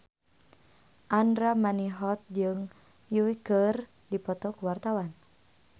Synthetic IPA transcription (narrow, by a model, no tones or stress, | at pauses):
ʔandɾamaniɦɔt̪̚d͡ʒɨŋ | juwiɡər | dipɔt̪ɔkuwart̪awan